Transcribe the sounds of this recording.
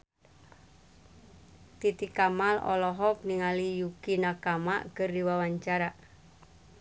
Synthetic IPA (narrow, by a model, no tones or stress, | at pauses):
t̪it̪ikamalɔ̰lɔɦɔk̚niŋalijukinakama̰ʔkərdiwawaɲt͡ʃaɾa